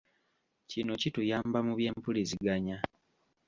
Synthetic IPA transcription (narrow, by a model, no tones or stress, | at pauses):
cino̞citujaːmbamuβje̞ːmpuliziɡaɲa